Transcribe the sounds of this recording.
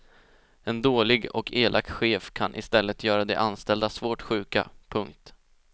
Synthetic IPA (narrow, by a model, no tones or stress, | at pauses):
ɛnd̪oːlɪɡɔ̰kʰeːlʔak̚t̪ɧeːfkʰanʔɪ̰st̪ɛlːət̪ʰjœːɾad̪ɛʔanst̪ɛld̪asvoːʈɧʉ̟ːka̰pʰɵŋkt̪